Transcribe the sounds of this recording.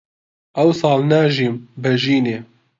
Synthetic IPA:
ʔɛwsɑːlnaːʒiːmbɛʒiːneː

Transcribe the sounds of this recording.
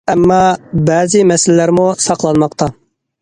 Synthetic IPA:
ɛmːɑbɛːzɪmɛsɪllæɾmusɑqlˠɑnmɑqt̪ʰɑ

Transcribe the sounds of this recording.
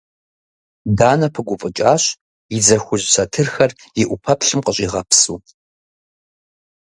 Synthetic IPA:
daːnɐpʰɨɡʷʊfʼət͡ʃʼaːɕ | jid͡zɐxʷʊʑsɐtʰɨrxɐr | jɪʔʷʊpʰɐpɬɨmqəɕʼiʁɐpʰsṵː

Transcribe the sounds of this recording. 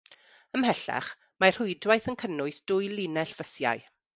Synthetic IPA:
əmhɛɬa̰χ | mar̥hʊɨdwajθənkʰənʊɨθd̥ʊːjlˠɪnɛɬv̥əsja̰ɨ

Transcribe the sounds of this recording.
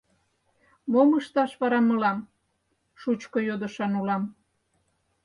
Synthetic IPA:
moməʃt̪ɑʃβɑɾɑməlɑm | ʃut͡ɕkojod̪ə̆ʃɑnulɑm

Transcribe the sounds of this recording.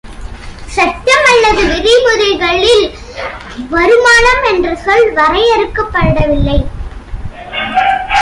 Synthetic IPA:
sɐt͡ʃːɐmɐlːɐðɯʋɪɾɪmʊðɐɪɣɐɭɪl | ʋɐɾɯmaːlɐmɛndrɐsɔlʋɐɾɐjɐɾɯkːɯpːɐɾɯɽɐʋɪlːɐɪ

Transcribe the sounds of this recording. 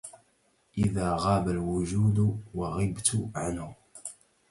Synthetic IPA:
ʔɪðaːɣɑːbalwʊʒuːd̪wɑɣɪbt̪ʊʕanhʊ

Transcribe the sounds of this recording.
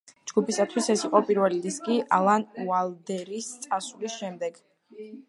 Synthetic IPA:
d͡ʒɡupʰisat̪ʰwisɛsiqʼɔpʼiɾvɛliɾiskʼiʔalˠanualˠd̪ɛɾist̪sʼasulisʃɛmd̪ɛɡ̥

